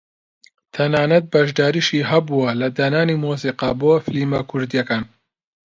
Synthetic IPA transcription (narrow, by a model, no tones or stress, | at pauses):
t̪ʰɐnaːnɐt̪̚bɐʒd̪aːɾiːʃiːɦɐbuwɐlɐd̪ɐnaːniːmoːs̬iːqɑboːfɨliːmɐkʰʊɾd̪ijɐkaːn